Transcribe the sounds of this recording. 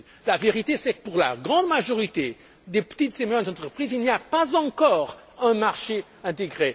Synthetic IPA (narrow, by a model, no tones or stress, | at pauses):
laveʁit̪esɛkə̥puʁla̰ɡʁɑ̃d̪maʒɔʁit̪e | d̪epə̥t̪it̪z̥emɛ̃nzɑ̃t̪χəpχizilniapazɑ̃kɔʁ | ɛ̃maʁʃe | ɛ̃t̪̬eɡʁe